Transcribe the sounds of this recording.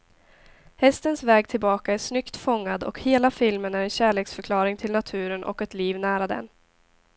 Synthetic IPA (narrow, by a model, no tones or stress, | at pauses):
hɛst̪ənsvɛːɡ̚t̪ʰɪlbɑːkaæʂnʏkt̪fɔŋːad̪ɔ̰kheːlafɪlmənæɾɛnɕæːɭeːksfœɾkʰlɑːɾɪŋt̪ʰɪlnat̪ʰʉ̟ːɾənʔɔ̰kɛt̪liːvnæːɾad̪ɛ̰n